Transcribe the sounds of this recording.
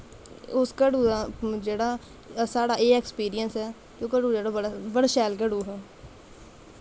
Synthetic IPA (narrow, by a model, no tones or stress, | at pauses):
ʊskəɽuːad͡ʒeːɽaː | saːɽaːeːɛkspiːɾijənsɛː | kõːkəɽuːd͡ʒeːɽabəɽaːʃɛːlkəɽuːɦɛː